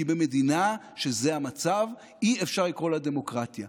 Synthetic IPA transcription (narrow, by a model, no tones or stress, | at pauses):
ibeme̞d̪ina | ʃe̞zeamat͡sav | iefʃaʁlikʁo̞lad̪e̞mo̞kʁat̪ja